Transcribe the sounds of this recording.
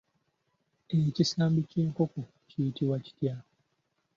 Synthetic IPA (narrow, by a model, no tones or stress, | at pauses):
ecisaːmbiceːŋkoko | cijitiwaci̥tja